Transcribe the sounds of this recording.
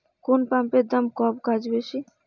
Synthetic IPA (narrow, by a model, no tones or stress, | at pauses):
kunpamped̪ɐmkɔbkad͡ʒbeʃi